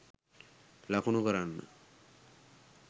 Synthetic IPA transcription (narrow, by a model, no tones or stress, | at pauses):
lakʰonokɔɾanːa̰